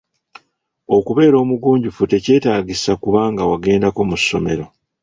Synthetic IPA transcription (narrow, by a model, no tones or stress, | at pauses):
o̞kuβe̞ːɾo̞ːmuɡuːɲɟufute̞ce̞ːtaːɟisakuβaːŋɡawaɡe̞ːndako̞musːo̞̰me̞̰ɾo̞